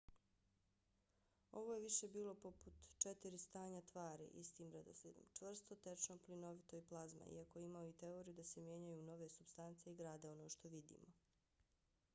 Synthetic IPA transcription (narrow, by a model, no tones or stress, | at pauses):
o̞ʋojeʋiʃe̞biːlo̞po̞put̪t͡ʃet̪iɾist̪aːɲat̪ʋaːɾḭʔist̪iːmɾad̪o̰slḭːd̪o̰mt͡ʃʋr̩st̪ot̪e̞t͡ʃnoplino̞ʋit̪o̞jiplˠazma̰ḭakojeimaoit̪e̞oɾijud̪ase̞mje̞ɲajuno̞ʋe̞subst̪ant̪seiɡɾaːd̪eo̞no̞ːʃt̪o̞ʋid̪ḭːmo